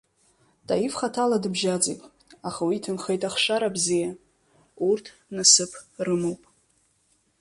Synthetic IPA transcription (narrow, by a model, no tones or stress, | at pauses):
tʰʼajifχatʰaladɨbʒad͡zḛjtʼ | aχawitʰɨnχejtʼaχʂaɾabzija | urtʰ | nasɨpʰrɨmowpʼ